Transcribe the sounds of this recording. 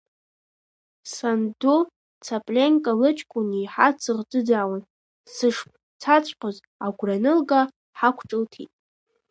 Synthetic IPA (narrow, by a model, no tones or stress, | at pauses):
sandu | t͡sʰapʼlʲeŋkʼalɨt͡ʃʰʼkʷʼʊniːħat͡sʰɨʁdɨd͡zaːwan | sɨʂpʼ | t͡sʰat͡ɕʷʼqʷʼaz | aɡʷranɨlɡa | ħakʷʰʈ͡ʂʼɨltʰḭtʼ